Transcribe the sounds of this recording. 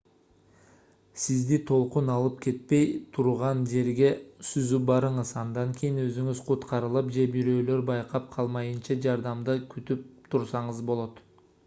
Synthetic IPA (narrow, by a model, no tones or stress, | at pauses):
sizd̪it̪ʰo̞lˠqunɑlˠɯp̚ke̞t̪̚pe̞jt̪ʰuɾʁɑnd͡ʒe̞ɾɡe̞syzybɑɾɯɴəzɑnd̪ɑŋkʲʰijinø̞zyŋyzqʰut̪qɑɾɯlˠɯp̚d͡ʒe̞biɾø̞ːlø̞ɾbɑjqɑp̚qʰɑlˠmɑjɯnt͡ʃɑd͡ʒɑɾd̪ɑmd̪ɯkʰyt̪yp̚t̪ʰuɾsɑɴəzbolˠo̞t̪